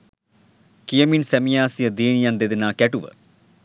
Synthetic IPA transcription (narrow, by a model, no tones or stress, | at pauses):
kijɐminsemijaːsijɐd̪iːnijand̪ed̪inaːkeʈuʋə̰